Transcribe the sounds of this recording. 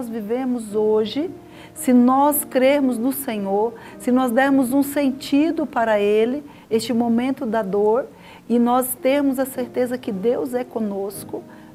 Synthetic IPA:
zviveɾmʊzoʒɪ | sɪnɔskɾeɾmʊznʊsẽɲoɾ | sɪnɔzd̪ɛɾmʊzũsẽnt͡ʃid̪ʊpaɾɐelɪ | est͡ʃɪmomẽnt̪ʊd̪ɐd̪oɾ | ɪnɔst̪eɾmʊzɐseɾt̪ezɐkɪd̪ewzɛkõnoskʊ

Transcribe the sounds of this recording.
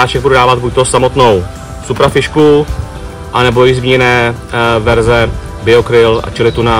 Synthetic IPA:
aːt͡ʃɛɡbududaːvad̪̚buc̚t̪osamo̞t̪no̞w | supɾafɪʃku | ʔanɛbo̞jɪzmɲɛnɛːvɛɾzɛ | bɪo̞kɾɪla̰t͡ʃɛlɪt̪una

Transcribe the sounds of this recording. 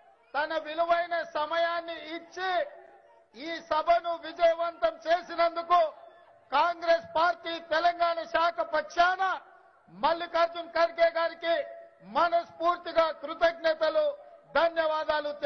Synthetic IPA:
t̪ɐnɐʋiluʋɐjnɐsɐmɐjaːnːiːt͡ʃːi | iːsɐbʱɐnuʋid͡ʒɐjɐʋɐnt̪ɐmt͡ʃeːsinɐnd̪uku | kaːŋɡɾeːspaːɾʈiːt̪ɛlɐŋɡaːɳɐʃaːkʰɐpɐkʂaːnɐ | mɐlːikɐɾd͡ʒunkɐɾkɛːɡaːɾikimɐnɐspuːɾt̪iɡaːkɾut̪ɐɡ̚nɛːt̪ɐlud̪ʱɐnjɐʋaːd̪aːlut̪e

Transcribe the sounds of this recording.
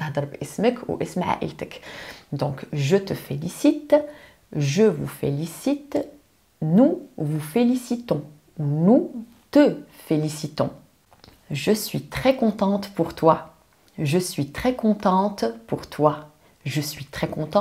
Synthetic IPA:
ahd̪əɾbɛsməkṵʔɛsmʕa̰ʔḭlt̪əkd̪ɔ̃kʒət̪əfelisit̪ | ʒəvufḛlisit̪ | nuvufelisit̪ɔ̃ | unu | t̪əfelisit̪ɔ̰̃ | ʒəsɥit̪χɛkɔ̃t̪ɑ̃t̪puʁt̪wa | ʒəsɥit̪χɛkɔ̃t̪ɑ̃t̪puʁt̪ʰwa | ʒəsɥit̪χɛkɔ̃t̪ɑ̃

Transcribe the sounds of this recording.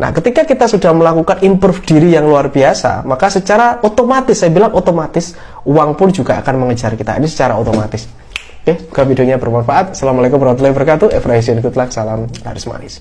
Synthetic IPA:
nʔa̰hkət̪ikakit̪asudahməlakukanimpɾufd̥iɾijaŋluarbiasa̰makasət͡ʃaɾaot̪omat̪ɪsːajabilaŋʔot̪omat̪ɪs | uwaŋpʊnd͡ʒuɡaa̰kanməŋəd͡ʒarkit̪a̰ḭnisə̥t͡ʃaɾaot̪omat̪ɪs | okeakafidoɲabərmanfaʔat̪̚salamalaekʊmbəɾwat̪ulabərkat̪uʔɛfɾaɦis̬ankut̪lahkə̥salamla̰ɾɪsma̰nɪs

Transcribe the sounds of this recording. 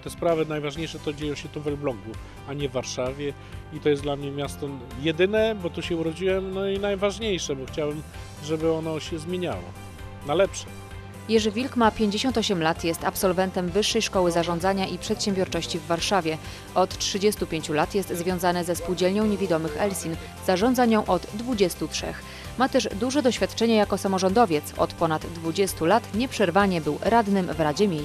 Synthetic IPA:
t̪ɛspɾavɘnajvaʐɲejʂɛt̪ɔd͡ʑejɔ̃w̃ɕɛt̪uvɛlblɔŋɡu | aɲɛvːaɾʂavʲjɛ | it̪ɔjɛsd̪lamɲɛmʲjast̪ɔjɛd̪ɘnɛbɔt̪uɕɛuɾɔd͡ʑiwɛmnɔinajvaʐɲejʂɛbɔxt͡ɕawɘm | ʐɛbɘɔnɔɕɛzmʲjeɲa̰wɔ̰ | nalɛpʂɛ | jɛʐvʲilkmapʲjeɲd͡ʑeɕɔnt̪ɔɕɛmlat̪jɛst̪apsɔlvɛnt̪ɛmvɘʂːɛjʂkɔwɘzaʐɔ̃nd̪zaɲaʔipʂɛt̪ɕɛmbʲjɔɾt͡ʂɔɕt͡ɕivːaɾʂavʲjɛ | ɔt̪t͡ʂʂɘd͡ʑɛst̪upʲjeɲt͡ɕulat̪jɛst̪zvʲjɔ̃w̃zanɘzɛspuwd͡ʑɛlɲɔ̃w̃ɲevʲid̪ɔmɘxɛlsʲin | z̥aʐɔ̃nd̪zaɲɔ̃w̃ʔɔd̪ːvud͡ʑɛst̪utʂɛ̰x | mat̪ɛʐd̪uʐɛd̪ɔɕfʲjat̪t͡ʂɛɲɛjakɔsamɔʐɔnd̪ɔvʲjɛt̪sɔ̰t̪pɔnad̪ːvud͡ʑɛst̪ulat̪ɲɛpʂɛɾvaɲɛbɘwɾad̪nɘmvɾad͡ʑɛmʲjej

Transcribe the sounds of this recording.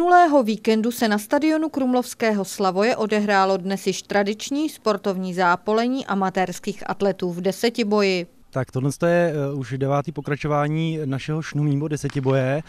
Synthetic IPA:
nulɛːɦo̞viːkɛndusɛnast̪adɪo̞nukɾumlo̞fskɛːɦo̞slavo̞jɛʔo̞dɛɦɾaːlo̞dnɛsjɪʃt̪ɾadɪt͡ʃɲiːspo̞ɾt̪o̞vɲiːzaːpo̞lɛɲiːʔamat̪ɛɾskiːxʔa̰t̪lɛt̪uːvdɛsɛcɪbo̞jɪ | t̪akt̪odlɛnst̪ojɛuʃdɛvaːt̪iːpokɾat͡ʃovaːɲiːnaʃɛɦoʃnumɲiːbodɛsɛcɪbo̞jɛ

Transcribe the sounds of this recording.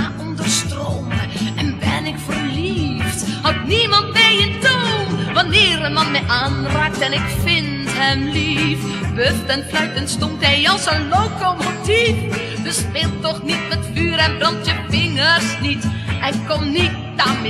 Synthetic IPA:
aʔɔndərstrowməʔɛnbɛnɪkfərlifthɑtnimɑntmejəntuʋɑnɪːrəmɑnmɛjʔaːnraːk̚tɛnɪkfɪntɦɛmlif | bøtɛnflœɥtənstɔntɦɛjɑlˠsənlowkomotif | dəspɪːlˠttːɔχnitmɛtfyːɾɛnbrɑntjəfɪŋərsnitɛjkːɔmnit̚dam

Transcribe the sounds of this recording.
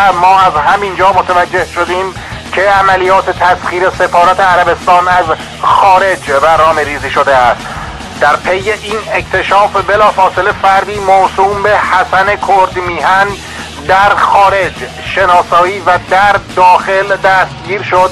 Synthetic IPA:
mɒːæzhæmind͡ʒɒːmot̪ʰævæd͡ʒːe̞hʃo̞d̪iːm | cʰe̞æmælijɒːt̪ʰet̪ʰæsχiːɾe̞se̞fɒːɾæt̪ʰeæɾæbe̞st̪ɒːnæz | xɒːɾe̞d͡ʒbæɾnɒːmeɾiːziːʃod̪eæst̪ | d̪̥æɾpʰe̞je̞ʔiːnecʰt̪ʰe̞ʃɒːfbe̞lɒːfɒːse̞le̞fæɾd̪iːmosuːmbe̞hæsænekʰoɾd̪miːɦæn | d̪æɾxɒːɾe̞d͡ʒ | ʃe̞nɒːsɒːiːvæd̪æɾd̪ɒːxe̞ld̪æst̪̚ɟiːɾʃod̪̚

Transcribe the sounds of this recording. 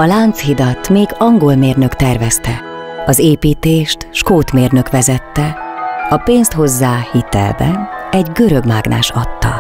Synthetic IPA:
ɒlaːnt̪shid̪ɒt̪meːɡɒŋɡo̞lmeːrnø̞kt̪ɛrvɛst̪ɛ | ɒzeːpiːt̪eːʃt̪ʃkoːt̪meːrnø̞kʋɛzɛt̪ːɛɒpeːnst̪ho̞zːaːhit̪ɛ̰lbɛ̰nɛɟɡø̞ɾø̞bmaːɡnʔa̰ːʃɒt̪ːɒ̰

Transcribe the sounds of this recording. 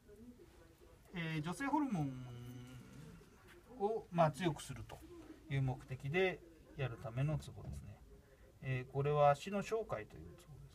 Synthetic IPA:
eːd͡ʑo̞se̞ːɦo̞ɾɯ̟mõ̞ | omaːt͡sɨjo̞kɯ̟̥sɨɾɯ̟t̪o̞̥jɯ̟ːmo̞kɯ̥t̪e̞kʲid̪e̞ | jaɾɯ̟t̪ame̞no̞t͡sɨɡo̞̰d̪e̞̰sɨne̞ː | ko̞ɾe̞β̞aːɕino̞ɕo̞ːkait̪o̞̰jɯ̟̰ːt͡sɨ̥ɡo̞d̪es

